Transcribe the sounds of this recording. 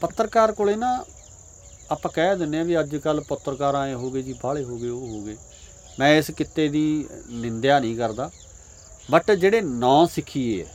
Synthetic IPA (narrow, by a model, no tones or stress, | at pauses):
pət̪ːəɾkaːɾkoːleːnãː | aːpãːkɛːd̪ɪnːeãːʋiːəd͡ʒkəlpʊt̪ːəɾkaːɾãːẽːɦoːɡeːd͡ʒiːbaːɭeːɦoːɡeːoːɦoːɡeː | mɛ̃ːɪskɪt̪ːeːd̪iːnɪnd̪jaːnĩːkəɾd̪aː | bəʈd͡ʒeːɽeːnãːsɪkʰiːeːɛ